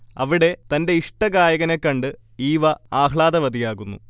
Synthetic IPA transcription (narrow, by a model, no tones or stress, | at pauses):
ɐ̰ʋiɽe̞t̪ɐnde̞iʂʈɐɡaːjɐɣɐne̞kːɐɳɖɨ | iːʋɐaːkɭaːd̪ɐʋɐd̪ijaːɣunːṵ